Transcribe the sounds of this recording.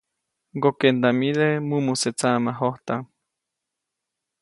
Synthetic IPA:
ɡokend̪amilemumuset͡samaɦoht̪aŋ

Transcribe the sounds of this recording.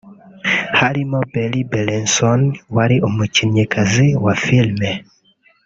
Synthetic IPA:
halimɔbɛlibɛlɛnsɔnwaɾiʔɔmut͡ʃiɲɛkaziwafilmɛ

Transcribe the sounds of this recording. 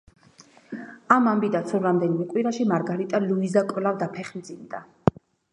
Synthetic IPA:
amambid̪at̪sʰuɾamd̪ɛnimɛkʼwiɾaʃimaɾɡaɾit̪ʼaluizakʼɛlavd̪apʰɛχmd̪zimd̪a

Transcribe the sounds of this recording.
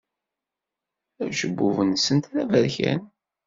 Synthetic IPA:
æʃəbːuvənsənt̪ɾævæɾçæ̰n

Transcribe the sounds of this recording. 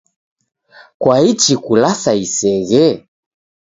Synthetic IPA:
kwait͡ʃikulasaisɛɣɛ

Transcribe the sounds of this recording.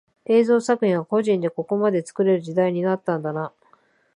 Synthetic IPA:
e̞ːzo̞ːsakɯ̟hʲĩɰβako̞ʑĩnd̪e̞ko̞ko̞mad̪e̞t͡sɨ̥kɯ̟ɾe̞ɾɯ̟ʑid̪aiɲ̟inat̪ːãnd̪ana

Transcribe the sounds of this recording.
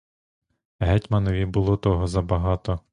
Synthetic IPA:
ɦɛtʲmɐnɔʋʲibʊlˠɔt̪ɔɦɔzɐbɐɦɑt̪ɔ

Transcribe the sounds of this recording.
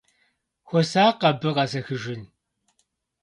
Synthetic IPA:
xʷɔsaːqɐbɨqɐzɐxɨʒɪn

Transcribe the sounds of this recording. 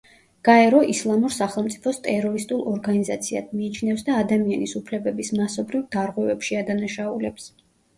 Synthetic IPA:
ɡ̥aɛɾɔʔislˠamuɾsaχɛlˠmt̪sʼipʰɔst̪ʼɛɾɔɾist̪ʼulˠɔɾɡanizat̪sʰia̰d̪miːt͡ʃʰnɛfsd̪aːd̪amianisupʰlɛbɛbismasɔbɾivd̪aɾʁwɛvɛpʃiad̪anaʃaulɛps

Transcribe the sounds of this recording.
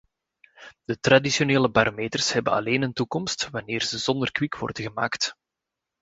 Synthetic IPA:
d̥ət̪radisjoneːləbaːɾomeːtərshɛbənɑ̰leːnəntukɔmstʋɑneːrzəzɔnd̪ərkwikwɔ̰rdəɣəma̰ːkt

